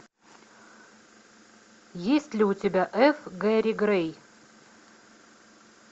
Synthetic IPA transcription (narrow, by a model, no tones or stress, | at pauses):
jesʲtʲlʲɪʊtʲɪbʲaʔɛfɡɛɾʲiɡrɛj